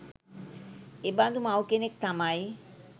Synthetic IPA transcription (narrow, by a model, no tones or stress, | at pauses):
ebad̪umawkenek̚t̪amaj